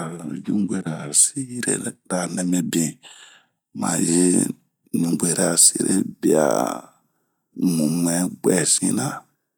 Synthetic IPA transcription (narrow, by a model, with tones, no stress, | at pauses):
d͡ʒũ˦ɡe˦ɾa˨si˦ɾḛ˦da˨nɛ˨mɛ˦bĩ˨ | mã̰˨ji˦ | ɲũ˨ŋɡe˨ɾa˨si˦ɾe˦bi˦a̰˨ | mũ˨m˨ɛ˦ɡ͡bɛ˨sĩ˦nã˦˨